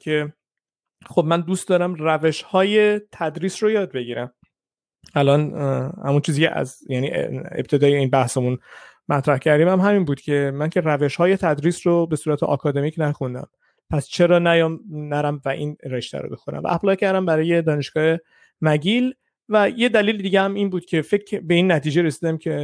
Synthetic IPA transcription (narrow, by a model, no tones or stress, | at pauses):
cʲʰe̞ | xobmænd̪uːst̪d̪ɒːɾæmræve̞ʃhɒːje̞t̪ʰæd̪ɾiːsrojɒːd̪̚be̞ɟiːɾæm | ælɒnhæ̰munt͡ʃʰiːziːcʰḛʔæ̰zjænḭeb̥̚t̪ʰe̞d̪ɒːjeiːnbæhsemun | mæt̪ʰɾæhcʰæɾd̪iːmæmɦæminbuːd̪cʲʰe̞mæncʰe̞ɾæve̞ʃhɒːje̞t̪ʰæd̪ɾiːsrobesuːɾæt̪ʰeʔɒ̰ːkʰɒːd̪e̞miːcʰnæxund̪æ̰m | pʰæst͡ʃʰe̞ɾɒːnæjɒːmnæɾæmvæʔḭːnɾeʃt̪æ̰ɾo̰bexoɾæ̰mvæ̰ʔæplɒːcʰæɾd̪æmbæɾɒːje̞d̪ɒːne̞ʃɡ̥ɒːhe̞ | mæɟil | væjed̪æliːlid̪iːɟʲehæmiːnbuːd̪̥cʲʰe̞fekbe̞inːæt̪ʰiːd͡ʒeɾe̞siːd̪æmcʰe